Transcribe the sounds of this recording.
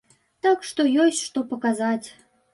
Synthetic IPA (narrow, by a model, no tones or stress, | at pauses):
t̪ɑkʂt̪ojosʲtʲʃt̪opəkazɑtʲ